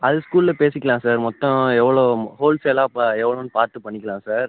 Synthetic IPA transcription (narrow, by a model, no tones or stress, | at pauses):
ɐðɯskuːlɪlɐpeːsɪkːɐlãːsaːɾmɔt̪ːɔ̃ɛʋːɐɭoːhoːlseːlaːpaɛʋːɐɭoːnːɯpaːɾt̪ɯpɐɳːɪkːɐlãːsaːɾ